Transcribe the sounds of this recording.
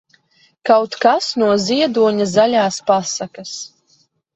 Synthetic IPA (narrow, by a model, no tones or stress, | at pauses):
kawt̪kasnuɔziɛd̪uɔɲazalʲaːspasakas